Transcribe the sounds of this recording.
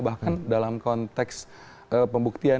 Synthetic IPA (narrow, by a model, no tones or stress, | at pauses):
bahkandalamkɔnt̪ɛks | əpəmbuk̚t̪ia